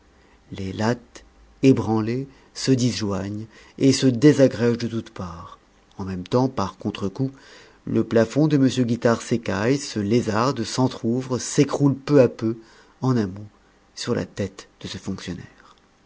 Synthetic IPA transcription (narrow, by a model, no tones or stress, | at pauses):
lelat̪ | ebʁɑ̃le | səd̪izʒwaɲ | esəd̪ezaɡʁɛʒd̪ət̪ut̪paʁ | ɑ̃mɛmt̪ɑ̃paʁkɔ̃t̪χəku | ləplafɔ̃d̪əməsjøɡʲit̪aʁsekajsəlezaʁd̪sɑ̃t̪χuvʁəsekχulpøapø | ɑ̃namu | syʁla̰t̪ɛt̪d̪̥əsəfɔ̃ksjɔnɛːʁ